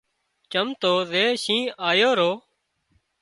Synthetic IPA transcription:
t͡ʃəmt̪oːzeːʃĩːaːjoːɾoː

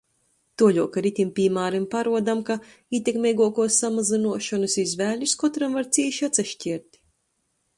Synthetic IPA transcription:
t̪uɔʎʲuɔkaɾit̪ʲimpʲiːmaːɾimpaɾuɔd̪amka | iːt̪ʲekmʲɛjɡuɔkuɔsːamazinuɔʃɔnɨsizvæːlʲuskɔt̪ɾamvaɾt̪siːʃat̪sɛʃcʲiɛɾt̪ʲ

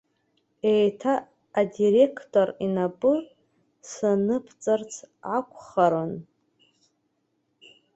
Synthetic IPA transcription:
ejtʰaː | diɾe̞kʰtʼorinapʼɨ | sanɨpʰt͡sʼart͡sʰʕakʷʰχaɾɨn

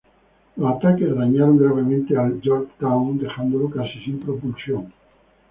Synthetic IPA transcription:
oat̪akeðaɲaɾoŋɡɾaβ̞emẽnt̪eald͡ʒoɾkt̪awnd̪exãnd̪olokasisĩmpɾopulsjõŋ

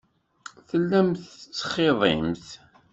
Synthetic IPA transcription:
θəlːæmθt͡sːχːeðˤɪ̰mθ

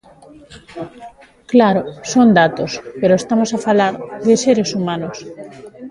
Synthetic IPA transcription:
klaɾosond̪at̪ospeɾoest̪amosafalaɾðeseɾesumãnos

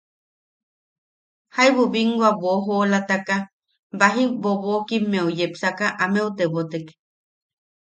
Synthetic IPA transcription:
haiβoβiŋɡwaβoɦolat̪aka | baɦiboβokimːẽojepsakaʔameut̪eβot̪eke̥

